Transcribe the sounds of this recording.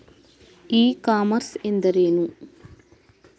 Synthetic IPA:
iːkaːmɐɾsend̪ɐɾeːnu

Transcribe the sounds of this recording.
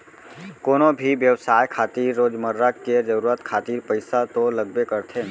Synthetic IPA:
koːnobʱiʋjəʋsaːjkʰaːt̪iːɾːoːd͡ʒməɾːəkkːed͡ʒəɾuːɾət̪kʰaːt̪iːɾpəɪsat̪oləɡbekəɾt̪ʰe

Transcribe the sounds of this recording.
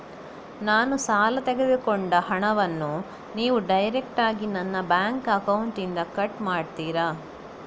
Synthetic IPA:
naːnusaːlɐt̪ɛɡed̪ukɔɳɖɐhɐɳɐʋɐnːu | niːʋuɖɐjɾek̚ʈaːɡinɐnːɐbjaːŋkɐkɐwuɳʈind̪ɐkɐʈmaːɖt̪iːɾaː

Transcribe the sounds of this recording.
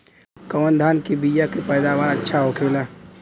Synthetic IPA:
kəmənd̪ʱaːnkibijakepəɪd̪aʋaːɾətːʃʰaɦokʰeːla

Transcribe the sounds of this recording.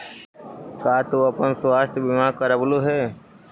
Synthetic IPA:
kaːt̪oɐpənswaːst̪ʰjbɪmakəɾəbloɦɛː

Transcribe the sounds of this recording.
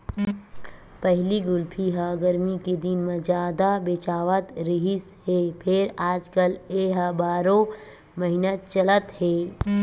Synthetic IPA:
pəɦliɡʊlpʰiɦaːɡəɾmiked̪ɪnmẽzjaːd̪abet͡ʃaːʋət̪ɾɪɦisɦeːpʰɪɾaːd͡ʒkəleɦabaːɾõ | məɦɪnət̪̚t͡ʃələt̪ɦeː

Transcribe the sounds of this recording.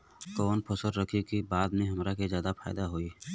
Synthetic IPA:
kɔːnpʰəsəɾɾəkʰikibaːd̪mẽɦɐmɾakezjaːd̪afʰaːɪd̪aɦoːiː

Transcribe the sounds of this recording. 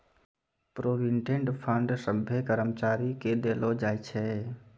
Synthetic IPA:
pɾoːbiɳʈẽɳʈpʰəɳɖsəbʱjekəɾəmt͡ʃaːɾiked̪eːlod͡ʒaːjt͡ʃʰɛ

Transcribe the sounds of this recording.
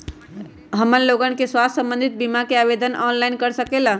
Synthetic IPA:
ɦəmənloɡənkeswast̪sə̃mbənd̪ʱit̪̚bimakeabed̪ənʔɔnlainkəɾsəkela

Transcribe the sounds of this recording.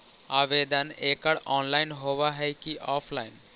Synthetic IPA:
abed̪anekaɽɔnlajnɦobaɦɛjkiʔɔpʰlajn

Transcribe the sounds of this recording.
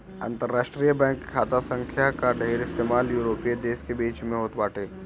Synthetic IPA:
ə̰̃nt̪əɾːaːʃʈɾijəbɛ̃ːŋkkʰːaːt̪asə̃ŋkʰjakaɖʱeɾɪst̪eːmaːljuːɾoːpied̪eːskebiːt͡ʃmẽɦoːt̪baːʈʰeː

